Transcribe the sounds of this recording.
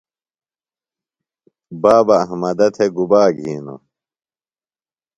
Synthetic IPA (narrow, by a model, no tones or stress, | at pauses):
baːbɐːɦmɐd̪ɐt̪ʰeɡubaːɡʱiːnṵ